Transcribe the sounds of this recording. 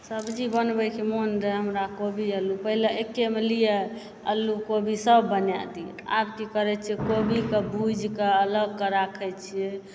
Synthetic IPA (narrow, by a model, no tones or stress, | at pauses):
səbd͡ʒibənbɛkimonɾɛɦəmɾakobʱiəlːupəɦileekːemelije | əlːukobʱisəbːənja̰d̪i | a̰bkikəɾɛt͡ʃʰiɛkobʱikebʱud͡ʒʱkeələɡkəɾakʰɛt͡ʃʰie